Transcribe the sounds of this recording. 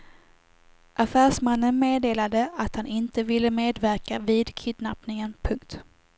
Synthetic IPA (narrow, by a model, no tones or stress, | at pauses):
ʔafæːʂmanːənmeːd̪eːlad̪əat̪hanɪnt̪əvɪlːəmeːd̪væɾkaviːd̪kʰɪd̪napnɪŋənpʰɵŋkt̪